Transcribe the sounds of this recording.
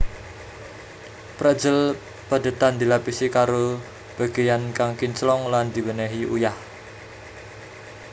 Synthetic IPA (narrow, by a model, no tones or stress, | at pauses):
pɾəd̥d͡ʒəl | pəd̪ə̤t̪and̪ilapisikaɾo | b̥a̤ɡ̥e̤jankaŋkint͡ʃlɔŋland̪i̤wənɛɦiʔṵjah